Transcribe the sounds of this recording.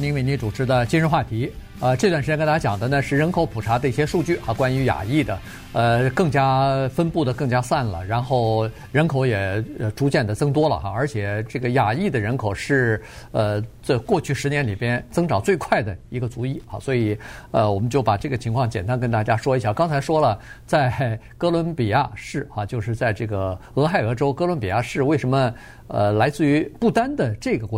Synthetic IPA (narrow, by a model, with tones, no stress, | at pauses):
ni˧˥me˧˥ɪni˧˥t͡su˨˩ʈ͡ʂʰɻ̩˧˥d̪ə˨t͡ɕi˥nɻə˥˧nxwa˥˩t̪ʰi˧˥ | ə˧ʈ͡ʂɤ˥˧t̪wa˥˩ʂ̩˧˥˧n˥a˥a˥jɑ˨˩ŋd̪ə˦nə˧ʂɻ̩˥˩ɻə˧˥nkʰo˧˥ʊpʰu˨˩ʈ͡ʂʰa˧˥d̪ə˧i˥˩ɕjɛ˥ʂu˥˧t͡ɕy˥˩xa˥˩kwa˥ny˧˥ja̰˨˩i˥˩d̪ə˩ | ə˧kɤ˥˩ŋt͡ɕja˥fə˥npu˥˩d̪ə˩kɤ˥˩ŋt͡ɕja˥sa˥˩nlə̰˩ɻa˧˥nxo˥˩ʊ | ɻə˧˥nkʰo˧˥ʊjɛ˨˩ə˧ʈ͡ʂu˧˥t͡ɕjɛ˥˩nd̪ə˩t͡sɤ˥˩ŋt̪̬wɔ˥lə̰˨˩xa̰˧ə˞˧˥t͡ɕʰjɛ˨˩ʈ͡ʂɤ˥˩ɡə˩ja˨˩i˥˩d̪ə˩ɻə˧˥nkʰo˨˩ʊʂɻ̩˥˧ə˧ʈ͡ʂə˧kwɔ˥˧t͡ɕʰy˥˩ʂɻ̩˧˥njɛ˧˥nli˨˩pjɛ˥nt͡sɤ˥ŋʈ͡ʂɑ˨˩ʊt͡swe˥˧ɪkʰwa˥˩ɪd̪ə˩i˧˥ɡə˧t͡su˧˥i˥˩xa̰˧˩swɔ˧˥i˨˩ə˧wɔ˨˩mə˦nt͡ɕjo˥˩ʊpa˨˩ʈ͡ʂɤ˥˩ɡə˩t͡ɕʰi˧˥ŋkʰwɑ˥˩ŋt͡ɕjɛ˨˩nt̪a˥nkə˥nt̪a˥˩t͡ɕja˥ʂwɔ˥i˧˥ɕja˥˩kɑ˥ŋt͡sʰa˧˥ɪʂwɔ˥lə˨t͡sa˥˩ɪ | kɤ˥lwə˧˥npi˨˩ja̰˥˧ʂɻ̩˥˩xa˧t͡ɕjo˥˧ʊʂɻ̩˥˧t͡sa˥˧ɪʈ͡ʂɤ˥˩ɡə˩ɤ˧˥xa˥˩ɪɤ˧˥ʈ͡ʂo˥ʊkɤ˥lwə˧˥npi˨˩ja˥˧ʂɻ̩˥˧we˥˩ɪʂə˧˥nmə˧ | ə˧la˧˥ɪt͡sɹ̩˥˩y˧˥pu˥˩t̪a˥nd̪ə˨ʈ͡ʂɤ˥˩ɡə˩kwɔ˧˥